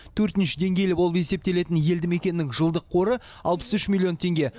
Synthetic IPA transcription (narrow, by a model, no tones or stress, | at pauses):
t̪ʰɵɾt̪ɪnʃɪ̥d̪e̞ŋɡʲe̞jlɪbo̞lˠəpe̞se̞p̚t̪e̞le̞t̪ɪnje̞ld̪ɪme̞kʲe̞nɪnɪŋʒəlˠd̪əqʰːo̞ɾə | ɑlˠpə̥sʏʃmʲilʲːio̞nt̪ʰe̞ŋɡʲe̞